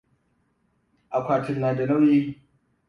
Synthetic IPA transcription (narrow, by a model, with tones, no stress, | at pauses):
ʔa˨kʷaː˨tɪ˨nːaː˨da˨nɐ˦wi˦